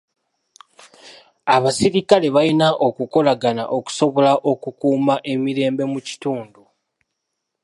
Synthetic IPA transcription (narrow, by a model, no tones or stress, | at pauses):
aβasiɾikale̞βainaʔo̞kuko̞laɡana̰ʔo̞ku̥so̞βo̞laʔo̞kukuːmaʔe̞miɾe̞ːmbe̞muci̥tuːndu